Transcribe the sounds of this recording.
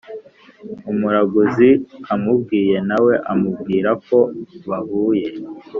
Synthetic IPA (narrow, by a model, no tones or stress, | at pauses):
umuɾaɡuziamubɡiːje̞nawe̞ʔamub̚ɡiːɾako̞βahuːje̞